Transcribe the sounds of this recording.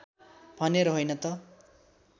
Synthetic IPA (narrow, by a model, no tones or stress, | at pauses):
bʱʌneɾʌɦojnʌt̪ʌ